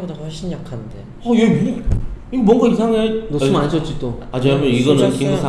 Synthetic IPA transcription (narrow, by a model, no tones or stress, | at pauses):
bodaɸwʌɭɕ͈ʰinjakʰannde̞ | ʌje | iɡemwʌŋɡaisʰaŋenoɯmanɕʰʌt͡ɕ͈it͈oat͡ɕʌamʌiɡʌnɯnkiusʰa